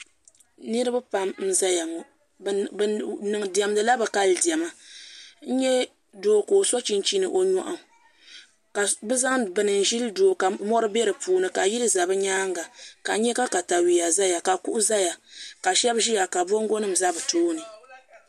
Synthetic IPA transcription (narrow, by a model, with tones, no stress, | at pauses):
nɨ˦ɾɨ˦ba˦pa˨mn̩˦za˦ja˨ŋ˨ | nɨ˨ŋ˨di˨ɛ˨mdɨ˨la˦bɨ˨ka˦ldi˨ɛ˨ma˦n̩˦ɲɛ˦ | doː˦˨koː˨so˦t͡ʃi˦nt͡ʃi˦nɨ˨ʔo˦ɲɔ̰˦ʔa˨m˨ | ka˨bɨ˦za˦ŋbɨ˨nɨ˨n̩˨ʒi˦ldoː˨ka˨mɔ˦ɾɨ˦bɛ˦ɾɨ˨puː˦nɨ˨ka˨ji˦lɨ˦za˨bɨ˦ɲaː˦ŋɡa˨ka˨˦ɲɛ˦ka˦ka˨ta˨wi˨ja˨za˦ja˨ka˨ku˦ʔʊ˦za˦ja˨ka˨ʃɛ˦bʒi˦ja˨ka˨bo˦ŋ˦ɡo˦nɨ˦m̩˨za˦bɨ˨toː˦nɨ˨